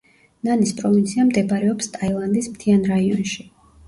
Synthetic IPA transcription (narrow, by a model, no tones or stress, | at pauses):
nanispʼɾɔvint̪sʰiamd̪ɛbɾɛɔpst̪ʼailˠand̪ismt̪ʰianɾaiɔnʃi̥